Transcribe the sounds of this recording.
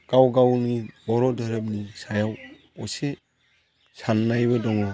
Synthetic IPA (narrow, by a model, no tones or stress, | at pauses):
ɡ̥awɡawnibɔɾɔdɯɾɯp̚nisajaw | ɔse | sanːajbadɔŋɔ